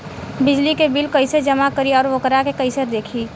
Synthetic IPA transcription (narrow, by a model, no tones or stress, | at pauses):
bɪd͡ʒlikebɪlkɐɪsed͡ʒəmakəɾiɔːɾʋokəɾakekəɪsəɾd̪eːkʰiː